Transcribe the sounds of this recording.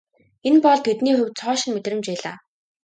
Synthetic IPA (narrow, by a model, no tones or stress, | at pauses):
enpɔɮt̪ʰet̪niːχɵwt͡sʰɔːʃɪ̆nmet̪rɘ̆mt͡ɕpæːɮa̰ː